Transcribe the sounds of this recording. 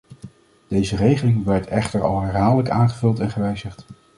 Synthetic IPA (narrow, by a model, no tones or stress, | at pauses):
d̥ejzərejχəlɪŋʋɛɹtʰɛχtəɹɑ̰lˠɦɛɹɦaːdələkaːnχəvɵlˠtɛnχəʋɛjzəχt